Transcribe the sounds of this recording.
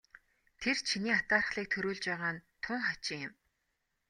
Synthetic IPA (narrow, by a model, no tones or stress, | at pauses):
t̪ʰert͡ɕʰiniːat̪aːr̆χɮiːk̚t̪ʰɵɾuːɮt͡ɕpæːʁaːnt̪ʰʊŋχat͡ɕɪŋɪm